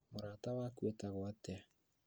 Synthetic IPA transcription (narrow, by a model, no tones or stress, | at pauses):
moɾaːtawaːkwetaɣwatɛ